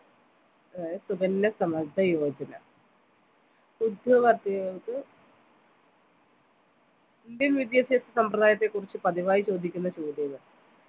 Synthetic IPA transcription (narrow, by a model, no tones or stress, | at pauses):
ɐd̪aːjɐsubɐnːɐsɐmɐd̪ɐjo̞ːd͡ʑɐnɐ̰ | sud̪ʱɐʋɐrt̪ijt̪ːɨ | nd̪ilʋid̪jeɕesɐsɐmprɐðaːjɐt̪ːe̞kːurit͡ɕːɨpɐðiʋaːjit͡ɕo̞ːd̪ʱikʲːunːɐt͡ɕoːd̪jɐʋɨ